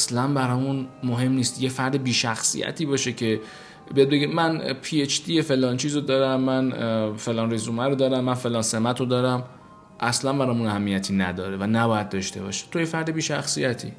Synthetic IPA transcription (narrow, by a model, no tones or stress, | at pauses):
slænbæɾɒːmunmoɦe̞mniːst̪jefæɾd̪ebiːʃæxsḭjæ̰t̪ʰiːbɒːʃecʰe̞ | be̞jebeɡemænpʰiet͡ʃd̪iːefe̞lɒːnt͡ʃʰiːzod̪ɒːɾæmːænfe̞lɒːnrizuːmæɾod̪ɒːɾæmːænfe̞lɒːnse̞mæt̪ʰod̪ɒːɾæm | ʔæslænbæɾɒːmunæhæmːijæt̪ʰiːnæd̪ɒːɾevænæbɒːjæd̪̚d̪ɒːʃt̪e̞bɒ̰ʃi̥t̪ʰojefæɾd̪ebiːʃæxsijæt̪ʰḭː